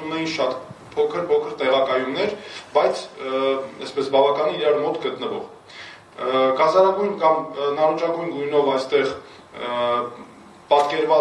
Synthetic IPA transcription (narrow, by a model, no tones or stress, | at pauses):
unɛjinʃɑt̪pʰɔkʰəɾpʰɔkʰəɾt̪ɛʁɑkɑjunːɛɾbɑjt͡sʰ | ɛspɛsbɑvɑkɑniiɾɑɾmɔt̪ɡət̪nəvɔ̰ʁ | ɡɑzɑɾɑɡujnkɑmnɑɾut͡ʃɑɡujnɡujnɔvɑjst̪ɛʁ | pɑt̪kɛɾvɑ